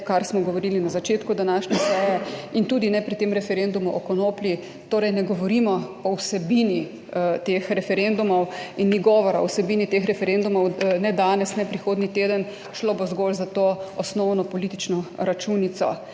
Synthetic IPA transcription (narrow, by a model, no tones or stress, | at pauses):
kaɾsmɔɡɔʋɔɾilinazat͡ʃeːt̪kud̪anaːʃɲʲɛsɛːjɛint̪uːd̪inɛpɾit̪emɾɛfɛɾend̪umuʔɔkɔnoːpli | t̪oːɾɛjnɛɡɔʋɔɾimɔɔwsɛbini | t̪exɾɛfɛɾend̪umɔwinːiɡɔːʋɔɾaɔ̰wsɛbiːnit̪exɾɛfɛɾend̪umɔwnɛd̪aːnɛsnɛpɾixoːd̪nit̪eːd̪ən | ʃloːbozɡolzat̪oɔsnɔwnɔpɔliːt̪i̥t͡ʃnɔɾat͡ʃunit̪sɔ̰